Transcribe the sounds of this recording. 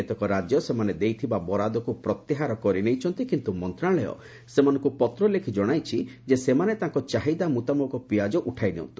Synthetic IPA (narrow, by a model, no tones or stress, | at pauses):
et̪ɔkɔɾad͡ʒjɔsemaned̪ejt̪ʰibabɔɾad̪ɔkupɾɔt̪jiɦaɾɔkɔɾinejt͡ʃʰɔnt̪ikint̪umɔnt̪ɾaɭɔjɔ̰ | semanɔŋkupɔt̪ɾɔlekʰid͡ʒɔɽ̃ajt͡ʃʰid͡ʒesemanet̪aŋkɔt͡ʃaɦid̪amut̪amɔkɔpiad͡ʒɔʔuʈʰajneɔ̰nt̪i̥